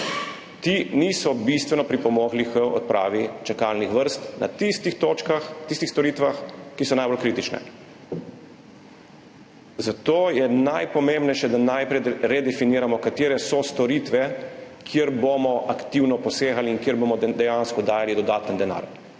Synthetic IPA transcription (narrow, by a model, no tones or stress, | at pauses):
t̪inisɔbist̪ʋɛnɔpɾipɔmɔɡlixəɔ̰t̪̚pɾʔa̰ːʋit͡ʃakalnixʋəɾst̪na̰t̪ist̪ixt̪oːt͡ʃkaxt̪ist̪ixst̪ɔɾiːt̪ʋaxkisɔnajbolkɾiːt̪it͡ʃnɛ̰ | zat̪oːjɛnajpɔmembnɛjʃɛd̪anajpɾɛɾɛd̪ɛfiniːɾamɔkat̪iːɾɛsɔst̪ɔɾiːt̪ʋɛkʰiəɾbomɔʔakt̪iːwnɔpɔseːxaliːnkiəɾbomɔd̪ɛjanskɔd̪aːjalid̪ɔd̪aːt̪ənd̪ɛna̰ːɾ